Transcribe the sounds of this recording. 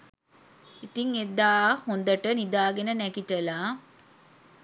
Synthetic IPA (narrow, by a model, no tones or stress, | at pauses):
it̪iŋed̪aːhond̪əʈənid̪aːɡenənækiʈəla